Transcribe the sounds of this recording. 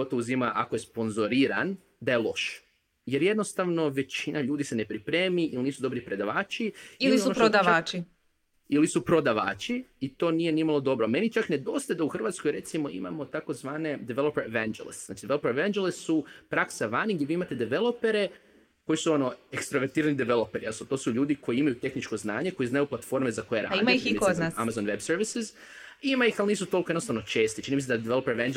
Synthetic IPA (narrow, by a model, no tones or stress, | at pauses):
ot̪ouzimaʔakojespo̞nzo̞ɾiːɾa̰n | d̪aje̞lˠo̞̰ʃ | je̞ɾjed̪no̞st̪aʋno̞ʋe̞t͡ʃinaʎuːd̪ise̞ne̞pɾipɾe̞ːmiʔiliniːsud̪o̞bɾipɾe̞d̪aʋaːt͡ʃiiiliionoʃod̪aaːt͡ʃi | ilisupɾo̞d̪aʋa̰ːt͡ʃiit̪o̞ːnije̞nimalˠo̞d̪o̞bɾome̞nit͡ʃakne̞d̪o̞st̪ad̪auxr̩ʋat̪sko̞jɾe̞t̪simo̞ḭma̰mo̞t̪ako̞zʋaːne̞d̪eʋelˠopeɾeʋand͡ʒelḭst̪zna̰ːt͡ʃid̪eʋelopeɾeʋend͡ʒelessupɾaksaʋaniŋɡjeʋiimat̪ed̪eʋe̞lˠo̞peɾe̞ | ko̞jisuo̞no̞ekst̪ɾoʋeɾt̪iːɾanid̪eʋelopeɾijast̪ot̪o̞ːsuʎuːd̪iko̞jiimajut̪e̞xnit͡ʃko̞znaːɲe̞ko̞jiznajuplˠat̪fo̞ɾme̞zako̞jeɾa̰id̪miimikonaamazonʋebseɾʋisiz | imaixalˠniːsut̪olkoenost̪aʋno̞t͡ʃe̞ːst̪it͡ʃinimised̪ad̪eʋelopeɾʋend͡ʒ